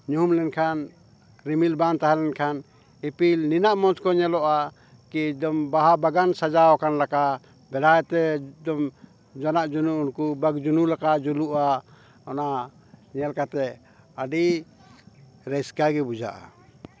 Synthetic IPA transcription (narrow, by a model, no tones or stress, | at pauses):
ɲuɦmlɛnkʰan | ɾimilbant̪aɦalɛnkʰan | ipilninaʔmɔnskɔɲɛlɔʔa | kid̪ɔmbaɦabaɡansad͡ʒaɔkanlaka | bɛlajt̪ɛd̪ɔm | d͡ʒɔnaʔd͡ʒunuunkubaɡd͡ʒunulakaʔd͡ʒuluʔa | ɔna | ɲɛlkat̪ɛ | aɖi | ɾɛskaɡɛbud͡ʒa̰ʔa̰